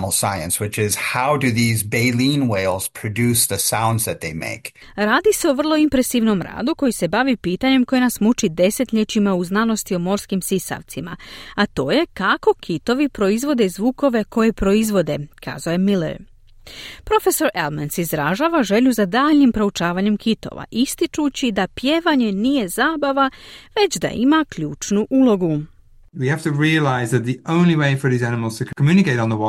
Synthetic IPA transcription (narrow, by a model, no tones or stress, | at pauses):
ml̩ˠsaɪɨ̰̃nswɨt͡ʃɪz̥haʊdɨðizbeɪlĩnweɪlˠz̥pʰɹ̥ɨdʉsðɨsãʊ̃ndzðɨt̪̚ðeɪmḛɪk | ɾaːd̪iseoʋr̩lˠo̞impɾe̞siʋno̞mɾa̰ːd̪uko̞jise̞baʋipiːt̪aɲe̞mko̞jenasmut͡ʃid̪e̞se̞t̪ʎʲet͡ʃimauznano̞st̪io̞mo̞ɾskimsisa̰ʋt̪sima̰at̪o̞ːje̞kako̞kʰit̪o̞ʋipɾo̞izʋo̞d̪e̞zʋuːko̞ʋe̞ko̞je̞pɾo̞izʋo̞d̪e̞kʰa̰ːzaoːjemilḛɾ | pɾo̞fe̞so̞ɾelmensizɾaʒaːʋaʒe̞ʎuzad̪aːʎnimpɾout͡ʃaːʋaɲe̞mkʰit̪o̰ʋa̰ʔist̪it͡ʃut͡ɕid̪apjeːʋaɲe̞nije̞zaːbaʋaʋe̞t͡ɕd̪a̰ʔḭmakʎuːt͡ʃnuʔulo̞ɡu | wihæftəɹiəlaɪzðɨt̪̚ðiõʊ̃nliweɪfə˞ðiːzænɪməl̩ˠz̥tʰəkʰəmjʉːnɪkeɪɾn̩ðəwɔ